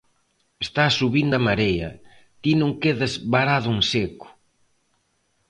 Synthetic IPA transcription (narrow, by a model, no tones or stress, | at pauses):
est̪asːuβind̪ɐmaɾejɐ̰ | t̪inũŋkeðɐzβaɾaðʊuŋsekʊ̥